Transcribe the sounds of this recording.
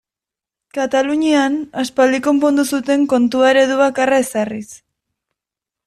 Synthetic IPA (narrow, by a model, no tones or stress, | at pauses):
kat̪aluɲianaspald̪iko̞mpo̞nd̪usut̪e̞ŋko̞nt̪uaeɾe̞ðuβakaraesaris